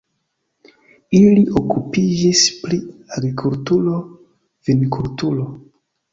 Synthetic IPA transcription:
iliʔokupid͡ʒispɾiaɡɾikʰultulo̞ | vinkʰultulo̞

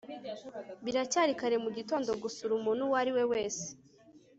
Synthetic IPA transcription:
βiɾacaɾikaɾe̞muɟito̞ːndo̞ɡusuɾumuːn̥huwaɾiwe̞we̞ːse̥

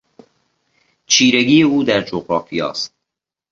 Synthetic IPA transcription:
t͡ʃʰiːɾeɡiːeuːd̪æɾd͡ʒoɣɾɒːfijɒ̰ːst̪̚

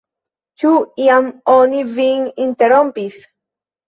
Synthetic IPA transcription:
t͡ʃuiamoniviŋint̪eɾɔ̃mpiθ

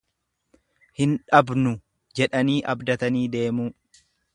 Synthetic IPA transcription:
hɪnᶑɐbnʊ | d͡ʒɛᶑɐniːʔɐbd̪ɐt̪ɐniːd̪e̞ːmuː

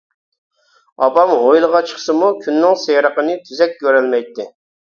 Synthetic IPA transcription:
ɑpɑmɦojlˠəʁɑt͡ʃʰə̥χsɨmukʲʰynːɪŋsejɾəqənɨt̪ʰyzɛk̚ʲɡʲøɾɛlmɛjt̪ːɪ

